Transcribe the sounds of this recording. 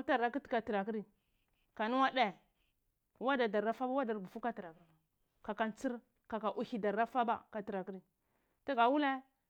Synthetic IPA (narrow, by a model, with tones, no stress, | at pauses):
ta˦˨a˦ki˦tka˨ti˨ɾa˨ki˦ɾi˦˨ | ka˨nu˦wa˦de˨ | wa˦da˨da˨ɾa˦fa˦ba˦wa˦da˨ɾbu˨fu˦ka˦ti˨ɾa˨k | ka˨ka˦nt͡si˦ɾ | ka˨ka˨ʔu˦hi˦da˨ɾa˦fa˦ba̰˦ka˨ti˨ɾa˨ki˦ɾi˨ | ta˦ɡa˨wu˦le˦